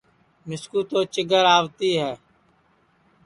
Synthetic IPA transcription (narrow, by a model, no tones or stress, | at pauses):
mɪskuːt̪oːt͡ʃɪɡəɾaːʋt̪iːɦɛː